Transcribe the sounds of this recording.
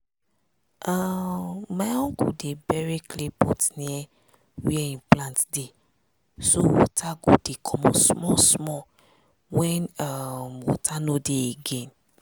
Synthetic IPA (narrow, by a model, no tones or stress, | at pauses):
amajɔ̃ŋkṵdebɛɹeklepɔtnĩɛ | wiɛĩnplãntde | sowɔ̰tʰaɡodekʰɔmɔ̃smɔsmɔ | wɛ̃namwɔ̰tʰanodeeɡɛ̃n